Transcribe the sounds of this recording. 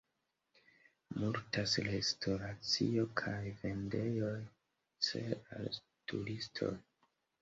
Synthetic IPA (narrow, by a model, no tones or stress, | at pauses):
muɾtaslestʰo̞ɾat͡sḭo̞kʰajve̞nde̞jo̞j | t͡seal | tuɾistʰo̞̰j